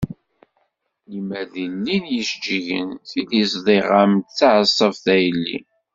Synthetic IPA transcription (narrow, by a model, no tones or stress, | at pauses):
limæðilːinjəʃd͡ʒiʝə̰nθilisðˤiʁamt̪θaʕəsˤːəvθæjəlːḭ